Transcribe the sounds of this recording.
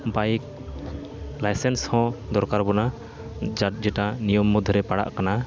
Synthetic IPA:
bajk̚ | lajsɛnshɔ̃d̪ɔɾkaɾbɔna | d͡ʒad͡ʒɛʈanijɔmːud̪ʱɾɛpaɽa̰ʔkana

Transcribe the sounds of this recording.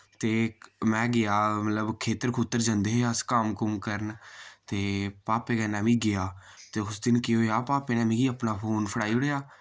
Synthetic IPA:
t̪eːmɛ̃ːɡɪjaːmət̪ləbkʰeːt̪əɾkʰuːt̪ːəɾd͡ʒənd̪eɦoaːskaːmkʊmkəɾənt̪eːpaːpeːɡɛːnãːmĩːɡɪjaː | t̪eːʊsd̪ɪnkɪɦoːjaːpaːpeːnãːmĩːɡiːəpnaːpʰoːnpʰəɽaːiːʊɽeːjaː

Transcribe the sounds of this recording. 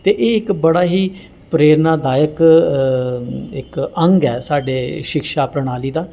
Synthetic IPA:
t̪eːʔeːɪkbəɽaːɦiː | pɾeːɾnaːd̪aːjək | ɪkəŋɡɛːsaːɖeːʃɪkʃaːpɾəɽ̃aːliːd̪aː

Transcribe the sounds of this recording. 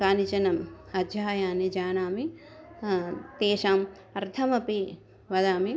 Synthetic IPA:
kaːnit͡ʃɐnɐmɐd͡ʒ̪jaːjaːnid͡ʒaːnaːmi | t̪eːʃaːm | ɐɾt̪ʰɐmɐpiː | ʋɐd̪aːmi

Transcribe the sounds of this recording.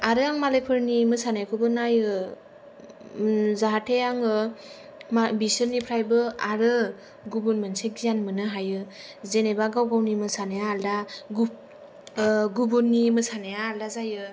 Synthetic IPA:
aɾɯaŋmalejpʰɯɾnimɯsanajkʰubɯnajɯ | zaɦatʰejaŋɯ | mabisɯɾnipʰɾajbɯaɾɯ | ɡubunmɯnsek̚ɡijanmɯnɯɦajɯ | zenebaɡawɡawnimɯsanajaːlda | ɡubunːimɯsanajaːldazajɯ

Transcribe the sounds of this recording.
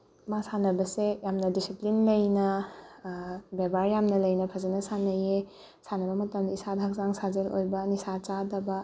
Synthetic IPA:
masanɐbɐsejamnɐdisiplinlɐjnɐ | bebaɾjamnɐlɐjnɐpʰɐzɐnɐsanɐje | sanɐbɐmɐtɐmdɐisadʱak̚zaŋsazelo̰jbɐnisat͡ʃadɐbɐ

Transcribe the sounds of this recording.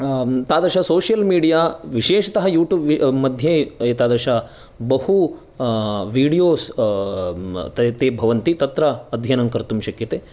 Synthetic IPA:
t̪aːd̪ɐʃɐsoːʃijɐlmiːɽijaːʋiʃeːʃɐt̪ɐɦɐjuːʈjuːbʋmɐd̪ʱjet̪aːd̪ɐʃa | bɐhu | ʋiːɽijoːs | t̪ɐt̪eːbʱɐʋɐnt̪it̪ɐt̪ɾɐːd̪ʱjɐnɐŋkɐɾt̪umʃɐkjɐt̪eː

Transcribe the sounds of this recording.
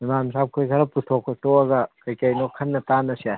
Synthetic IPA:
imamsap̚kʰojkʰɐɾɐputʰokʰːotoɐɡɐkɐjkajnokʰɐnːɐtanːɐsia

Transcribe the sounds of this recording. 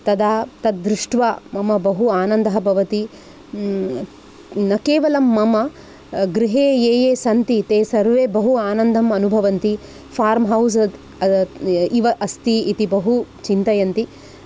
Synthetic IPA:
t̪ɐd̪aːt̪ɐt̪̚d̪ɾuʂʈʋaːmɐmɐbɐɦuaːnɐnd̪ɐɦɐbʱɐʋɐt̪i | nɐkeːʋɐlɐmːɐmɐ | ɡɾiɦeːjeːjeːsɐnt̪it̪eːsɐɾʋeːbɐɦuaːnɐnd̪ʱɐmɐnubʱɐʋɐnt̪i | pʰaːɾmɦɐwzɐd̪ | iʋɐʔɐst̪iit̪ibɐɦut͡ʃint̪ɐjɐnt̪i

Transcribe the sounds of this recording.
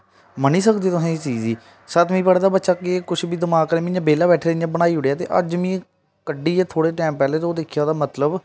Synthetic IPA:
məniːsəkd̪eːt̪ʊsãːet͡ʃiːziː | sət̪mĩːpəɽeːd̪aːbətːʃaːkekʊt͡ʃʰbiːd̪əmaːkːəɾeːmɪ̃ɲd͡ʒaːbeːlaːbɛːʈʰeːɾãːbəɽ̃aːiːɦʊɽejaːt̪ḛːʔə̰d͡ʒmĩː | kəɖiːeːt̪ʰoːɽeːʈɛːmpɛːleːt̪oːd̪eːkʰjaːd̪aːmət̪ləb

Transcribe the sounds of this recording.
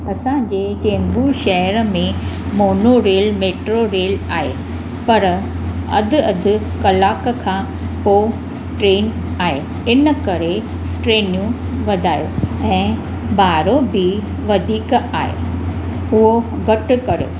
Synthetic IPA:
ɐsãɲd͡ʑeːt͡ɕẽːmbuʃɐɦəɾəmẽmoːnoɾeːlmeːʈɾoɾeːlaːɦe | pɐɾ | ɐ̰d̪ʱʊɐd̪ʱʊ̆ | kɐlaːkkʰãː | poː | ʈɾeːn | aːɦe | ɪnə̆kɐɾe | ʈɾeːnijũ | ʋɐd̪ʱaːjoɛ̃ː | bʱaːɾobʱɪ | ʋɐd̪ʱiːkaːɦḛː | ʊɦoɡɐʈkɐɾjo̰ː

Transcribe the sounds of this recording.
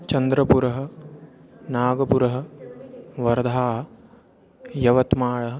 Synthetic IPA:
t͡ʃɐnd̪ɾɐpuɾɐɦɐ̆ | naːɡɐpuɾɐɦɐ̆ | ʋɐɾd̪ʱaːɦɐ | jɐʋɐt̪maːɭɐɦɐ̆

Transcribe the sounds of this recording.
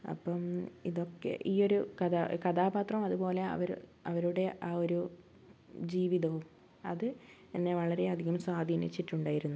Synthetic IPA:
ɐ̰pːɐmiðo̞kːe̞̰ʔiːo̞ɾukɐðakɐt̪aːbaːt̪rɐmɐðupo̞ːle̞ɐ̰ʋɐɾɐʋɐɾuɽe̞ʔaːo̞ɾu | d͡ʑiːʋiðɐʋum | ɐðɨɐnːe̞ʋɐɭɐɾe̞ɐd̪ʱiɣɐmswaːd̪ʱinḭt͡ɕːiʈːuɳɖaːjiɾunːu

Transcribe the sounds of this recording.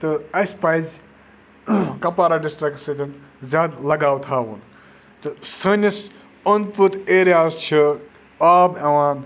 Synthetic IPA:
t̪ɨɐjspajz | kɐpaːɾaːɖisʈɾɐksət̪ʲʰinzʲaːd̪lɐɡaːwt̪ʰɦaːʋun | t̪ɨsəːnʲjɐs | ənput̪eːɾijaːzt͡ʃʰi | aːbɐʋaːn

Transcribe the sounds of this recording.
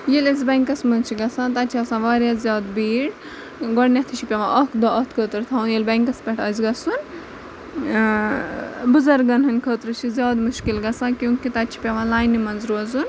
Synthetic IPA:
jelɐzbɐŋkɐsmɐnt͡ʃʰiɡɐsãːt̪at͡ʃʰiɐsãʋaːɾjaːzʲjaːd̪biːɽ | ɡoɽnʲɐt̪ʰit͡ʃʰipʲɐʋãʔɐkd̪oɐt̪ʰkʰəːt̪ɾt̪ʰaunjelbɐŋkɐspʲɐʈʰɐzɡɐsun | buzɐɾɡɐnɦɐnʲkʰəːt̪ɾɨt͡ʃʰizʲjaːd̪muʃkilɡɐsãːkjũːkit̪ɐt͡ʃʰi̥pʲɐʋãːlaːjnimɐnzɾuɐzun

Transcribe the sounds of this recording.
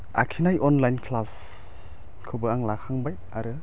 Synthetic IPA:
a̰kʰinajʔɔnlajnkʰlas | kʰɯbɯaŋlakʰaŋbaj | aɾɯ

